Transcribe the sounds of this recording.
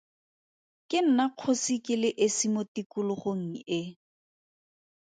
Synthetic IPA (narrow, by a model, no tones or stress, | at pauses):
kʼɪn̩naq͡χʰosikʼɪlɪʔɪsimotikʊlʊχoŋ̩ɪ